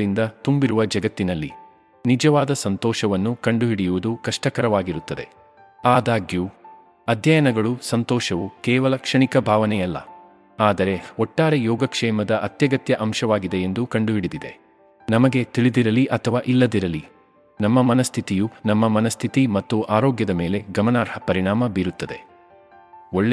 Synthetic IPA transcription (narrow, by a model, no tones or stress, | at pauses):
ɭind̪ɐt̪umbiɾuʋɐd͡ʒɐɡɐt̪ːinɐlːḭ | nid͡ʒɐʋaːd̪ɐsɐnt̪ɔːʃɐʋɐnːukɐɳɖuɦiɽijuʋud̪ukɐʂʈɐkɐɾɐʋaːɡiɾut̪ːɐd̪e̞̰ | aːd̪aːɡju | ɐd̪ʱjɐjɐnɐɡɐɭusɐnt̪ɔːʃɐʋukɛːʋɐlɐkʂɐɳikɐbʱaːʋɐnɛjɐlːɐ̰ | aːd̪ɐɾe̞ɔʈːaːɾejɔːɡɐkʂɛːmɐd̪ɐʔɐt̪jɐɡɐt̪jɐʔɐmʃɐʋaːɡid̪e̞ːnd̪ukɐɳɖuɦiɽid̪id̪e̞̰ | nɐmɐɡe̞t̪iɭid̪iɾɐliʔɐt̪ʰɐʋaːʔilːɐd̪iɾɐli | nɐmːɐmɐnɐst̪ʰit̪ijunɐmːɐmɐnɐst̪ʰit̪imɐt̪ːuʔaːɾoːɡjɐd̪ɐme̞ːle̞ɡɐmɐnaːɾhɐpɐɾiɳaːmɐbiɾut̪ːɐd̪e̞̰ | oɭː